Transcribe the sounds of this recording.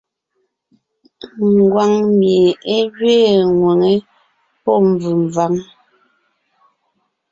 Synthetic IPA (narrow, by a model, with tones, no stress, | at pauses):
ŋ˨ɡwa˨ŋmje˨e˦d͡ʒɥeː˦˨ŋwe˨ŋe˦ | pɔ˦˨m˨b͡vʉ˨ɱ˨va˨ŋ